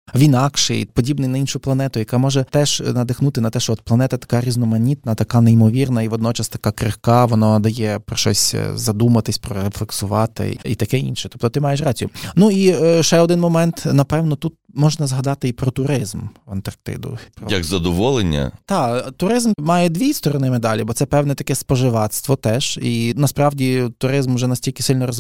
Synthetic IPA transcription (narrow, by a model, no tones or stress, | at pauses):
ʋʲinɑkʃɪ̰jpɔdʲibnɪjnɐinʃʊplˠɐnɛt̪ʊjɐkamɔʒɛt̪ɛʒnɐd̪ɪxnut̪ɪnɐt̪ɛʃɔɔt̪̚plˠɐnɛt̪ɐt̪ɐ̥kɑɾʲiznɔmɐnʲit̪̚nɐt̪ɐkɑneimɔʋʲirnɐiʋɔd̪nɔt͡ʃɐst̪ɐ̥kɑkɾɪhkɑʋɔnad̪ɐjɛpɾɔʃɔ̰sʲzɐd̪umɐt̪ɪsʲpɾɔɾeflˠeksʊʋɑt̪ɪ̰ḭt̪ɐkɛḭnʃɛt̪ɔ̥p̚t̪ɔt̪ɪmɑjeʃ̬rɑt͡sʲijʊnuiʃɛɔd̪ɪnmɔmɛnt̪nɐpɛwnɔt̪ut̪̚mɔʒnɐzɦɐd̪ɑt̪ɪipɾɔt̪ʊɾɪzmɐnt̪ɐrk̚t̪ɪ̰d̪ʊ̰pɾɔjɐɡzɐd̪ɔʋɔlˠenʲːɐ̰t̪ɑt̪ʊɾɪzmmɑjɛd̪ʲʋʲist̪ɔɾɔnɪmed̪ɑlʲibɔt̪ɛpɛwnɛt̪ɐkɛspɔʒɪʋɑt̪st̪ʋɔt̪ɛʒinɐspɾɑwdʲit̪ʊɾɪzmʊʒɛnɐsʲtʲilʲkʲɪ̥sɪlʲnɔɾɔz